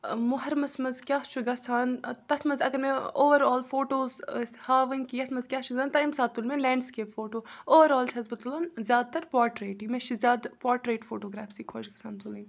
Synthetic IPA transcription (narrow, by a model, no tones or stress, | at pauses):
mʊɦɐɾmɐsmɐzkʲjaːʃt͡ʃʰuɡɐsaːnt̪ɐt̪ʰmɐzɐɡɐɾmẽːoːʋɐɾɔːlfoːʈoːzhaːʋɐŋɡkiːɐt̪ʰmɐzkʲjaːt͡ʃʰuɡzaːnt̪ɐimsaːd̪̚t̪ːulmẽlɛ̃ːɳɖskeːfoːʈoːoːʋɐɾɔːlt͡ʃʰɐzbɐt̪ulɐnzjaːd̪̚t̪ɐɾpaːɾʈɾeːʈĩmẽːʃizʲjaːd̪paːɾʈɾeːʈfoːʈoːɡɾaːfsiːkʰoːʃɡɐsʰaːnt̪ʰulĩŋɡ